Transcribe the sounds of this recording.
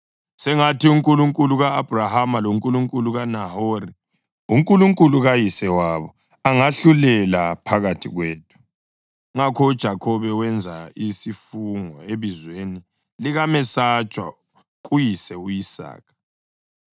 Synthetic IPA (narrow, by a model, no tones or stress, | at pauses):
sɛŋatiuŋkʼuluŋkʼuluɣaːb̥ʱrahamaloŋkʼuluŋkʼuluɣanahori | uŋkʼuluŋkʼuluɣajisɛwaβɔ | aŋaɬulɛlapʰaɣatʰiɣweːtʰu̥ | ŋakʰɔud̥ʒ̥ʱakʰɔβɛwɛnd͡zʱaisifuŋɔ̰eβizweni | liɣamɛsat͡ʃʼwa̰ | ɣ̬ʼujisɛuisa̰ːk̚ʰḁ